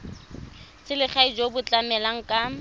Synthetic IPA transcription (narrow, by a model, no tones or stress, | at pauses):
sɪlɪχaid͡ʒobʊt͡ɬʼamɛlaŋ̩kʼa